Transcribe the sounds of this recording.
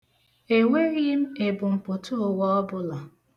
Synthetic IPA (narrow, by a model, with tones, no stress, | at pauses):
e˨ŋe˦ɾi˦m̩˦e˨bʊ˨m̩˨pʊ˨tʰʊ˦˨wɔ˦ɔ˦bʊ˦la˨